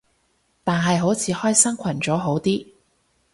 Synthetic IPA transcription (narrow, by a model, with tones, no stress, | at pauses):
t̪aː˨nɦɐ˨jɦo˨˥wt͡sʰiː˨˧˥hɔː˥jsɐ˥ŋkʷʰɐ˨˩nt͡sɔː˨˥ɦo˨˥wt̪iː˥